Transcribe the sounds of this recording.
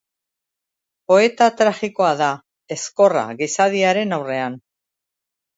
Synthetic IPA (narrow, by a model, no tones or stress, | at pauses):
po̞e̞t̪at̪ɾaχiko̞aða | e̞sko̞ra̰ɣisaðiaɾe̞nawre̞an